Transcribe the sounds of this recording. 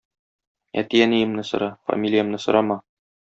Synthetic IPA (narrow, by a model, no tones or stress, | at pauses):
æ̰t̪ijænijɘ̆mnɘsŏ̰ɾɑfɐ̰mʲilʲijə̆mnɘsŏɾʔɑmɑ